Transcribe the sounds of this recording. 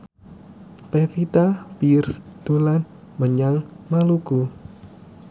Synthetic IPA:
pefit̪apirsd̪̥olan | məɲaŋmaluku

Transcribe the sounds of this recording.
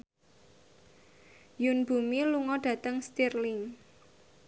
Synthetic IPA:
junb̥umiluŋɔɖ̥ä̤t̪əŋst̪irlɪŋ

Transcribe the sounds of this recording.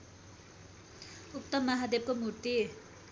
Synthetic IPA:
uk̚t̪ʌmːʌɦad̪eb̚komurt̪i

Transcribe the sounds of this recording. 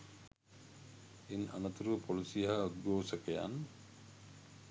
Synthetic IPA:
ina̰nɐt̪uɾupʰolusijɐɦaud̪̚ɡoːsɐkeja̰n

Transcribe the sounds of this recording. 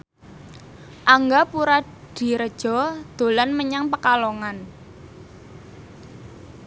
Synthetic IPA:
ʔaŋɡapuɾa | d̪̥i̤ɾəd̥ʒ̥ɔ̤d̪̥o̤lanməɲaŋpəkaloŋan

